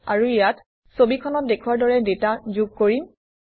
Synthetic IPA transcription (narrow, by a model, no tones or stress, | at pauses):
aɹuijat | sobikʰɔnɔt̚dekʰuwaɹdɔɹɛdetazuɡ̚koɹim